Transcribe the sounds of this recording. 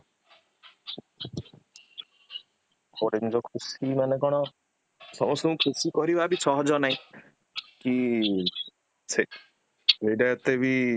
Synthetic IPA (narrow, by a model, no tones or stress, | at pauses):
koɾend͡ʒɔkʰusimanekɔɽ̃ɔ | sɔmɔst̪ɔũkʰusikɔɾibabisɔɦɔd͡ʒɔnaɦĩ | ki | t͡ʃʰe | ejɖajɔt̪ebi